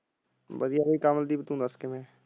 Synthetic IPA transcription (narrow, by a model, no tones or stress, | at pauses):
bəd̪ijabikaːməld̪iːbət̪ũːd̪əskemẽː